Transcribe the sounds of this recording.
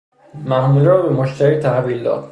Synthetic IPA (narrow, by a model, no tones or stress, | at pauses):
mæhmulɾɒːbemoʃt̪ʰæɾiːt̪ʰæhviːld̪ɒ̰ːd̪̥